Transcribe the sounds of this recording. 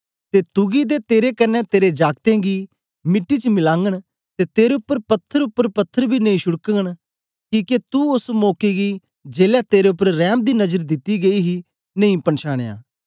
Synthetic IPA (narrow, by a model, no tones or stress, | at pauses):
t̪et̪ʊɡid̪eːt̪eːɾekəɾnɛt̪eːɾed͡ʒaːɡ̚t̪ẽːɡiː | mɪʈːiːt͡ʃəmɪlãːŋɡəɽ̃ | t̪eːt̪eːɾeʊpːəɾpɐt̪ʰːəɾʊpːəɾpət̪ʰːəɾbʱiːnɐĩːʃʊɽkəɡəɽ̃ | kiːket̪uʊsmoːkiɡiː | d͡ʒeːlɛːt̪eːɾeʊpːəɾɾɛːmd̪iːnɐd͡ʒəɾd̪ɪt̪ːiɡɐiɦi | nəĩpənʃaːɽ̃eja̰ː